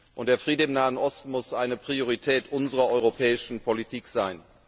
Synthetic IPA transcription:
ʔʊntd̥eːɐfʁ̥iːdɪmnaːənɔstmʊsʔaɪnəpʁ̥ioʁitʰɛːtʔʊnzəʁɐʔɔʏʁopʰɛːɪʃn̩pʰolitʰiːkz̥aɪn

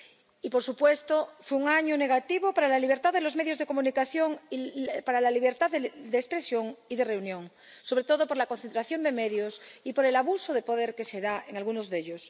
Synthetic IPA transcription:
ipoɾsupwest̪ofweuŋaɲoneɣ̞at̪iβopaɾalaliβ̞eɾt̪aððelo̞zmeðjo̞zðe̞ko̞mũnikaθjoŋpaɾalaliβeɾt̪aðed̪espɾesjoŋiðere̞unjõŋ | so̞βɾe̞t̪oðopoɾlakon̟θent̪ɾaθjo̞nd̪e̞meðjosipoɾelaβusoðepoðeɾke̞seðaeŋalɣunozðeʎos

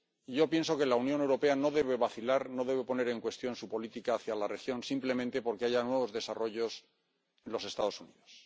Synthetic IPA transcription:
iʝo̞pje̞nso̞ke̞launjo̞ne̞wɾo̞pe̞ano̞ðe̞β̞e̞βaθilaɾno̞ðe̞βe̞po̞ne̞ɾe̞ŋkwe̞st̪jo̞nsupo̞lit̪ikaːθjalare̞xjo̞nsimple̞mẽnt̪e̞po̞ɾke̞aʝanwe̞β̞o̞zðe̞saro̞ʝo̞s | enlo̞se̞st̪að̞osuniðo̞s

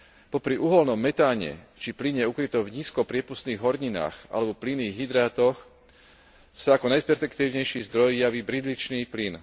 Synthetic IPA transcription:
pɔpɾiʔuɦɔlnɔmːɛt̪aːɲɛ̰t͡ʃipliɲɛukɾit̪ɔvɲiːskɔpɾɪɛpust̪niːɣɦɔɾɲina̰ːxʔa̰lɛbɔpliniːɣɦid̪ɾaːt̪ɔx | saakɔnajspɛɾfɛkt̪iːʊɲɛjʃiːzd̪ɾɔjjaʋiːbɾid̪lit͡ʃniːplin

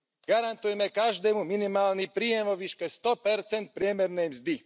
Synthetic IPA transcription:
ɡ̥aɾant̪ujɛmɛkaʒd̪ɛːmuminimaːlnipɾiːjɛmɔʋiʃkɛst̪ɔpɛɾt͡sɛnt̪̚pɾɪɛmɛɾnɛjmzd̪i

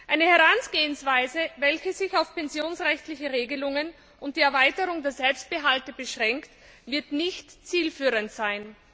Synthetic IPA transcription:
ʔaɪnəhɛʁansɡ̥eːənsv̥aɪzəvɛlçəzɪçaʊfpɛnzjoːnsʁɛçtlɪçəʁeːɡəlʊŋən | ʔʊnt̚d̥iːɛɐvaɪtəʁʊŋdeːɐzɛlpst̚b̥əɦaltəbəʃʁ̥ɛŋkt | vɪɐtnɪçtt͡siːlfyːʁəntz̥aɪn

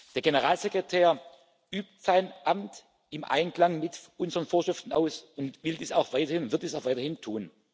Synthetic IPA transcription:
d̥eːɐɡenəʁaːlzekʁ̥etʰɛːɐ | ʔyːp̚tz̥aɪnʔamt | ɪmʔa̰ɪnkl̥aŋmɪtʔʊnzəʁənfoːɐʃʁ̥ɪftn̩a̰ʊsʊntvɪldiːsa̰ʊxv̥aɪtɐhɪnʊntv̥ɪɐtd̥iːsaʊxvaɪtɐhɪntʰuːn

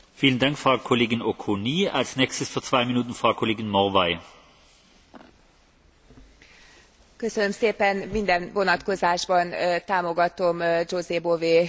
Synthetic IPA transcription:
fiːləndaŋkfʁaʊkʰoleːɡɪnokʰoniːa̰lsnɛːkstəsfyːɐt͡sv̥aɪminuːtn̩fʁaʊkʰoleːɡɪnmɔʁvaɪ | kø̞sønø̞mseːpɛnmind̪ɛnvo̞nɒt̪ko̞zaːʒbɒnt̪aːmo̞ɡɒt̪o̞md͡ʒoːzeːboveː

